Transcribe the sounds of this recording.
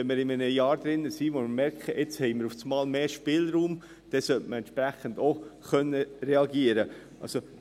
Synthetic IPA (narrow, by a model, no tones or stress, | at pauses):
ɛnmɪɾɪmənəjɑːɾd̥̪ɾɪnːəsiːʋomɪɾmɛɾkʰχəʔɪt͡shɛɪmɪɾuft͡smɑːlmeːʃpɪlɾuːm | d̥ɛsœltməɾɛnʃpɾæχəndoχœnːəɾɛɑɡiəɾə | ʔɑ̰lso